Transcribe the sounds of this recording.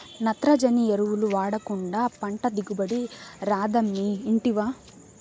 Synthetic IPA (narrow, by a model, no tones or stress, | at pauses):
nɐt̪ɾɐd͡ʒɐnieɾuʋuluʋaːɽɐkuɳɖaːpɐɳʈɐd̪iɡubɐɽiɾaːd̪ɐmːiːɳʈiʋaː